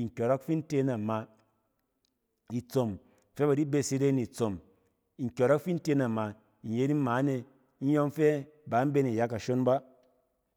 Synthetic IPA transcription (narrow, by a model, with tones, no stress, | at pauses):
i˨ŋ̩˨kʲo˨ɾɔ˦kfi˦n̩˦te˧na˨ma˧ | i˨t͡so˨m | fe˦ba˨di˦be˧˨si˧ɾe˦ni˨t͡so˨m | i˨ŋ̩˨kʲo˨ɾɔ˦kfi˦n̩˦te˧˦na˨ma˧ | i˨je˦ni˦maː˨˦ne˧˦ | n̩˦jɔ˦ŋ˦fe˦ | ba˨˦m̩˦be˦ni˨ja˦ka˨ʃo˦nba˦